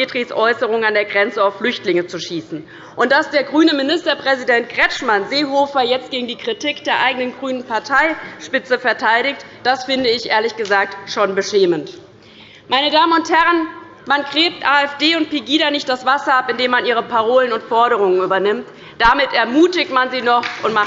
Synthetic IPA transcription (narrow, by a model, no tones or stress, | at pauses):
eːtʁ̥isʔɔʏsəʁ̞ʊŋənandeːɐɡʁɛnt͡səaʊflʏçtlɪŋət͡suʃiːsn̩ | ʔʊnt̚d̥asd̥eːɐɡʁyːnəmɪnɪstɐpʁ̥ɛzidɛnt̚ɡ̥ʁɛt͡ʃmanzeːɦoːfɐjɛt͡stɡ̥eːɡŋ̩diːkʁ̥itiːkd̥eːɐʔaɪɡənənɡʁyːnənpʰaɐtʰaɪʃpɪt͡səfɛɐtʰaɪɾɪçt | d̥asfɪndəɪçʔḛːɐlɪçɡ̥əzaːk̚tʃoːnbəʃeːmənt | maɪnədaːmənʊnthɛʁən | mankʁ̥eːp̚tʔaːɛfd̥eːʊnt̚piɡiːɾanɪçt̚d̥asv̥asɐʔapɪndeːmːanʔiːʁ̞əpʰaʁ̞oːlənʊntfɔɐɾəʁ̞ʊŋənʔyːbɐnɪmt | d̥amɪtɛɐmuːtɪçtmanziːnɔχʔʊntma